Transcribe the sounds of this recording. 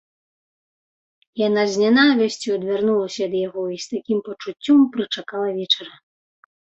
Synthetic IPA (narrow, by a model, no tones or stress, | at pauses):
janazʲnʲanavʲɛsʲt͡sʲuɐd̪vʲarnulˠɐsʲɐːd̪jaɣɔist̪akʲimpɐt͡ʂut͡sʲːɔmpɾɨt͡ʂakalˠɐvʲɛt͡ʂɐɾɐ